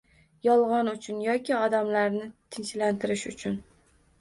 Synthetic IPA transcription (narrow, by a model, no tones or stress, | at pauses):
jɒlˠʁɒnʊt͡ʃʰʊnjɒkʲɪɒd̪amlaɾnɪt̪ʰɪnʃlant̪ʰɪɾɪʃʊt͡ʃʰʊn